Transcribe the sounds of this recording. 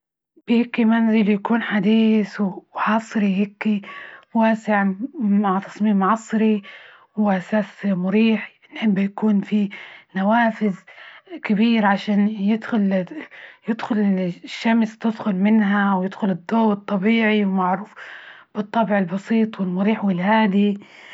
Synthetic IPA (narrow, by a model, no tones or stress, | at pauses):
b̥ɪhɪkːimanziljakuːnħad̪iːswwħɑːsˤɨɾihɪkːiwaːsɪʕmaʕt̪ɑ̥sˤmiːmʕɑsˤɾi | wʔasaːsmʊɾiːħ | nħɪbːajakuːnfinawaːfɪðkɪbiːɾʕaʃaːnjɪd̪xʊl | jɪd̪xʊlɪʃːamst̪ɪd̪xʊlmɪnɦawjɪd̪xʊlɪd̪ːoːwɨt̪ˤːɑbiːʕiwmaʕɾuːf | b̥ɨt̪ˤːɑbʕɪlbɑsiːt̪ˤwɪlmʊɾiːħwɪlhaːd̪i